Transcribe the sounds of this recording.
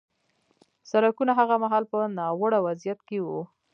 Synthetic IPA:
saɾakunaɦaɣamaɦɑlpənɑwəɽawazijat̪kewu

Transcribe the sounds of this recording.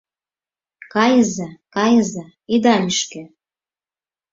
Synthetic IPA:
kɑjəzɑkɑjə̆zɑ | id̪ɑlʲiʃkĕ

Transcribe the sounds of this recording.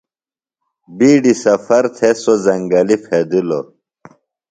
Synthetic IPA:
biːɖisɐfɐɾt̪ʰesozɐŋɡɐlifʰed̪ilo

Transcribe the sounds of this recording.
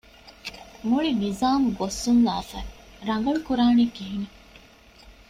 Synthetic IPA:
muɭinizaːmuɡosːunlaːfæɾɐŋ̆ɡɐɭukuɾaːnikiɦine

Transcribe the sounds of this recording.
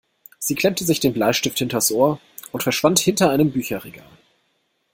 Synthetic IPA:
z̥iːkʰl̥ɛmtʰəzɪçd̥eːnblaɪʃtɪfthɪntɐsʔoːɐ | ʊntfɛɐʃv̥anthɪntɐaɪnəmbyːçɐʁɛɡa̰ːl

